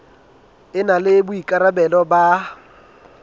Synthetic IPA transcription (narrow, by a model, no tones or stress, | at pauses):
ɪnalɪbʊikʼaɾabɛlɔba